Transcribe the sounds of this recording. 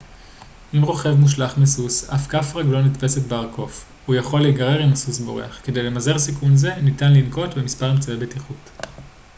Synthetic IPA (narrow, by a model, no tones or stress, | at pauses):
ʔimʁo̞χe̞vmuʃlaχmesusafkafʁaɡlo̞nitpe̞setbeaʁkʰo̞f | ujaχo̞leɡaʁe̞ʁimasusbo̞̰ʁḛaχkede̞jle̞maze̞ʁsikunze̞nitanlinko̞tbemispaʁimt͡savebetiχut